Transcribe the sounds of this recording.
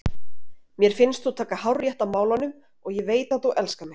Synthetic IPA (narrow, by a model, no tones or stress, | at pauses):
mjɛɾ̥fɪnst̪θut̪ʰaːkahawrjɛht̪amaːwlanʏm | ɔɣjɛveːjt̪aθuʔɛlskamɪ